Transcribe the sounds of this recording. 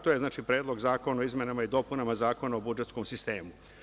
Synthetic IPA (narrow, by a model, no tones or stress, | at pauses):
t̪ojeznaːt͡ʃipɾed̪lˠo̞ɡzaːko̞noizme̞namaid̪o̞ːpunamazaːko̞naobud͡ʒe̞t̪skomsist̪e̞ːmu